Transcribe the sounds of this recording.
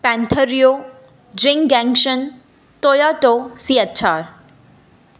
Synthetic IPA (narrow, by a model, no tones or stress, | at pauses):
pɛ̃nt̪ʰəɾjo | d͡ʑɪ̃ŋɡɛ̃ŋɡʃən | t̪oːjaːʈosiətt͡ɕʰaːɾ